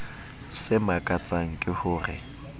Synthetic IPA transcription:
sɪmakʼat͡sʼaŋ̩kʼɪhʊːrɪ̰

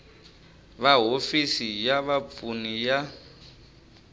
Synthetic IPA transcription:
βaɦofisijaβapunija

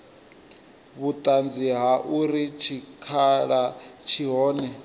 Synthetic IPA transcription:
βut̪ʼand͡ziɦaʔuɾit͡ʃʰikʰaɺat͡ʃʰiɦɔːnɛ

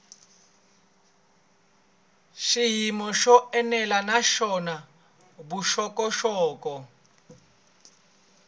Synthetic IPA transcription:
ʃiɦimɔʃɔɛnɛlanaʃɔna | buʃɔkɔʃɔːkɔ

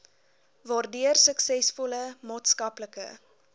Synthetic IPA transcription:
vɑːrdyərsəksɛsfɔləmɑːtskɐpləkə̰

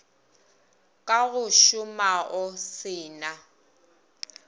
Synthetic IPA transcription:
kʼaɣʊʃʊmaʔɔsɪːna

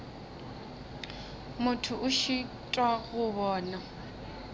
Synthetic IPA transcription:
mʊtʰʊʔʊʃi | tʼwaɣʊβɔːna

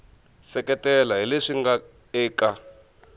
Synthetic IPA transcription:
sɛkɛtɛlaɦileʂiŋɡa | ɛːka

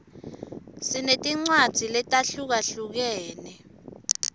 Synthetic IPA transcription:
sinetʼiŋ͡ǀwad̥z̥ʱilɛtʼaɬuk̬aɬuk̬ɛːnɛ

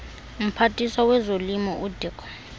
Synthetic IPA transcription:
m̩pʰatʼisawɛzolimɔʔudʱikʰʼɔ̥

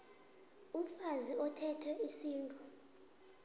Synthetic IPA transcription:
um̩faziɔtʰɛtʰɛʔisiːntʼɔ

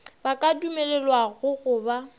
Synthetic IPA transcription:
bakʼadumɛlɛlwaɣʊɣʊːba

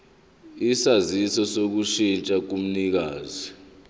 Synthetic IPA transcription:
isazisɔsok̬uʃint͡ʃʼak̬um̩nik̬aːzi

